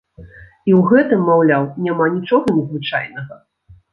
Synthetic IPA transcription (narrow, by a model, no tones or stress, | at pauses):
iwɣɛt̪ɨmːawlʲawnʲamanʲit͡ʂɔɣɐnʲɛzvɨt͡ʂa̰jnɐɣɐ